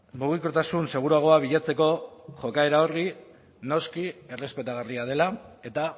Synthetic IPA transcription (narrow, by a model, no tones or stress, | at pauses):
muɣ̞iko̞t̪asunse̞ɣ̞uɾuaɣ̞o̞aβ̞iʎat͡se̞ko̞ʝo̞kae̞ɾaori | no̞skie̞re̞spe̞t̪aɣ̞ariað̞e̞lae̞t̪a